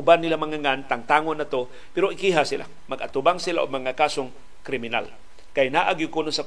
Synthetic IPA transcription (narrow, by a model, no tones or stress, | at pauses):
ʊbanːɪlamaŋaŋant̪aŋt̪aːŋonːat̪o | pɛɾoɪkiɦasɪla̰ | mɐɡat̪ʊbaŋsɪlaʔo̰ɡ̚mɐŋakaːsoŋ | kɾɪmɪna̰l | kajnaʔaɡjʊkunosɐ